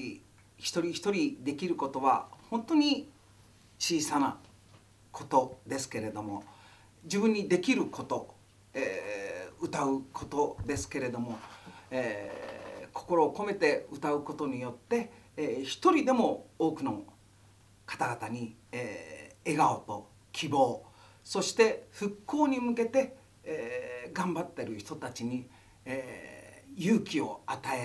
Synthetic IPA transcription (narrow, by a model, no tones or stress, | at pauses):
i | çi̥t̪o̞ɾʲiçi̥t̪o̞ɾʲid̪e̞kʲiɾɯ̟ko̞t̪o̞βa̰hõ̞nt̪o̞ɲ̟i | t͡ɕiːsana̰ | kʰo̞t̪o̞d̪e̞sɨ̥ke̞ɾe̞d̪o̞mo̞ | d͡ʑɨbɯ̟̃ɲ̟ːid̪e̞kʲiɾɯ̟ko̞t̪o̞ | e | ɯ̟t̪aɯ̟kʰo̞t̪o̞d̪e̞sɨ̥ke̞ɾe̞d̪o̞mo̞e | kʰo̞̥ko̞ɾo̞ːko̞me̞t̪e̞ɯt̪aɯ̟ko̞t̪o̞ɲ̟ijo̞t̪ːe̞çi̥t̪o̞ɾʲid̪e̞mo̞oːkɯ̟no̞ | kḁt̪aɡat̪aɲ̟ieeɡaot̪o̞ | kʲibo̞ː | so̞ɕi̥t̪e̞ɸɯ̟kʰːo̞ːɲ̟imɯ̟ke̞t̪e̞ | ɡãmbat̪ːe̞ɾɯ̟çi̥t̪o̞t̪at͡ɕiɲ̟i | jɯːkʲio̞̰at̪ae